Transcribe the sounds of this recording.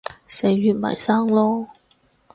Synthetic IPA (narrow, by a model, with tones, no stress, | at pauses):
se˨˩jɥyː˨t̚mɐ̰˨˩jsaː˥ŋlɔː˥